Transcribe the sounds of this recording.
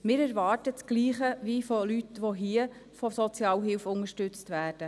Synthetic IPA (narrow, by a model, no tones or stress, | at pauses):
mɪːɾæɾʋɑːrtət͡sɡ̥liːχəʋifolytʋoɦiːə | fɔsɔt͡sjɑːlɦɪlfʊŋəʃtɵt͡stʋæːd̥ə